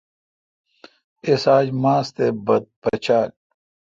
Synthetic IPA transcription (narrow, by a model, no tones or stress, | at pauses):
esaːd͡ʑmaːst̪ebɐd̪̚pɐt͡ɕʰaːl